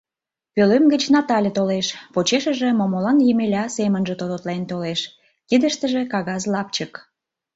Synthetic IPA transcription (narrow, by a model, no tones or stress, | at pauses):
pølømɡə̆t͡ɕnɑt̪ɑlʲet̪oleʃpot͡ɕeʃəʒĕmomolɑnjəmelʲɑsemənʒet̪od̪ot̪lent̪oleʃ | kid̪əʃt̪əʒĕkɑɣɑzlɑp̚t͡ɕək